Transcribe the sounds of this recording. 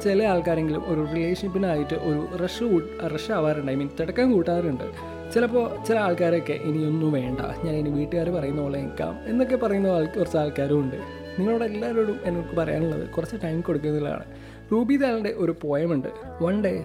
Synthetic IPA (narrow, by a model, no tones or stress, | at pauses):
t͡ɕelɐaːɭkaːɾe̞ŋɡilṵmʔo̞ɾurileːʂɐnpːinaːjiʈːɨʔoɾureʂuʈrɐʂaːʋaːɾuɳɖaimiːnt̪iɽɐkːaːmkuːʈːaːɾuɳɖɨ̰ | t͡ɕilɐpːo̞ːt͡ɕilɐaːɭkaːɾokːe̞̰ʔinio̞nːumʋe̞ːɳɖɐ̰ɲaːneniʋiːʈːɨɣaːɾupɐrɐjunːɐoːɭːɐeŋikːa̰ːme̞nːok̬ːe̞pɐrɐjunːɐðaːɭkurɐt͡ɕːaːɭkaːɾumuɳɖɨ | niŋːɐɭuːɽelːaːɾoːɽumenoɭkːɨpɐrɐja̰ːnuɭːɐ̰ðɨ̰kurɐt͡ɕːɨʈɐjmko̞ɽukːunːɐilːa̰ːɳɨ̰ | ruːbiːðaːlɐɳɖe̞ʔo̞ɾupo̞ːjɐmuɳɖɨ̰ | oɳɖe